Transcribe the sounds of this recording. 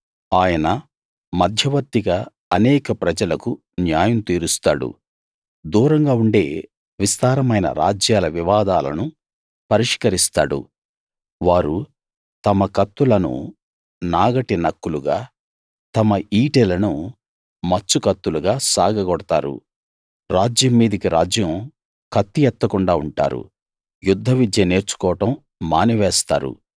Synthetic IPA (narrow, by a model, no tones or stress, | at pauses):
aːjɐnɐ | mɐd̪ʱjɐʋɐɾt̪ːiɡɐ | ɐnɛːkɐpɾɐd͡ʒɐlɐku | njaːjɐmt̪iːɾust̪aːɽṵ | d̪uːɾɐŋɡaːuɳɖe̞̰ː | ʋist̪aːɾɐmɐjnɐ̰ɾa̰ːd͡ʒjaːlɐʋiʋaːd̪aːlɐ̰nu | pɐɾiʂkɐɾist̪a̰ːɽṵ | ʋaːɾu | t̪ɐmɐkɐt̪ːulɐnṵ | naːɡɐʈinɐkːuluɡaː | t̪ɐmɐiːʈelɐnu | mɐt͡ʃːukɐt̪ːuluɡaːsaːɡʱɐɡɔɽɐt̪a̰ːɾṵ | ɾaːd͡ʒjɐmːiːd̪ɐkiɾaːd͡ʒjɐm | kʰɐt̪ːijɛt̪ːɐkuɳɖaːuɳʈa̰ːɾṵ | jud̪ʱːɐʋid̪jɐne̞ːɾt͡ʃu̥kɔːʋɐʈɐmː | aːniʋɛːst̪a̰ːɾṵ